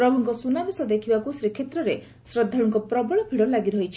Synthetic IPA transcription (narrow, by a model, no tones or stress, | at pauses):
pɾɔbʱɔŋkɔsunabisɔd̪ekʰibakusɾikʰːet̪ɾɔɾe | sɾɔd̪ʱːɔɽ̃ɔŋkɔpɾɔbɔɭɔpʰiɽɔlaɡiɾɔɦit͡ʃʰi̥